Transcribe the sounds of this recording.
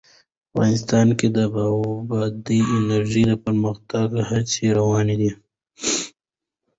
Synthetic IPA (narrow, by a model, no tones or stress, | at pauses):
afɣɑ̰nɪst̪ɑnked̪əbabɑd̪iɪnəɾʒiləpəɾməxt̪aɡhaseɾawɑned̪i